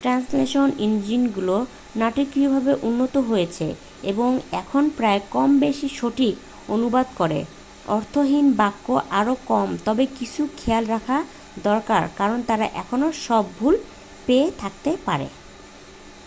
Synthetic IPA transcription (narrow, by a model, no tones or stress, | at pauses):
ʈɾansleʃonind͡ʑinɡulo | naʈikɾiobʱabeʔunːot̪oɦojet͡ɕʰḛ | ḛboŋɛkʰonpɾaekɔmbeʃiʃoʈik | onubad̪kɔɾḛ | ɔɾt̪ʰoɦinbakːoʔaɾokɔmt̪ɔbekit͡ɕʰukʰealɾakʰa | d̪ɔɾkaɾkaɾont̪aɾa̰ʔɛkʰonoʃɔbːʱul | peet̪ʰakt̪epaɾḛ